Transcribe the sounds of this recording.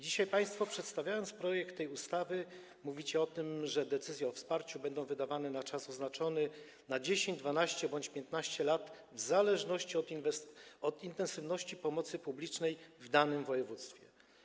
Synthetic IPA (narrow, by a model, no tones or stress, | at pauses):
d͡ʑiɕajpaj̃st̪fɔpʂɛt̪st̪avʲjajɔnt̪spɾɔjɛkt̪ːɛjust̪avɘ | muvʲit͡ɕɛɔt̪ɘmʐɛd̪ɛt̪sɘzʲjɛɔfspaɾt͡ɕubɛnd̪ɔ̃w̃vɘd̪avanɛnat͡ʂasɔznat͡ʂɔnɘ | nad͡ʑeɕẽɲd͡ʑd̪vanaɕt͡ɕɛbɔɲt͡ɕpʲjɛnt̪naɕt͡ɕɛlat̪ | vzalɛʐnɔɕt͡ɕiɔt̪vɔd̪int̪ɛnsɘvnɔɕt͡ɕipɔmɔt̪sɘpublʲit͡ʂnɛjvd̪anɘmvɔjɛvut̪st̪fʲjɛ